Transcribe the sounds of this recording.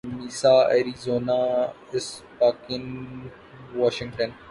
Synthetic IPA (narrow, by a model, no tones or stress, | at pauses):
miːsaːḛɾizoːnaː | ɪspaːkɪn | ʋɔːʃɪ̃ŋɡʈə̃n